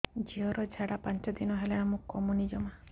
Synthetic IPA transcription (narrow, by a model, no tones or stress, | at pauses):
d͡ʒiɔɾɔd͡ʒʱaɽapant͡ʃɔd̪inɔɦeleɽ̃amũkɔmunid͡ʒɔma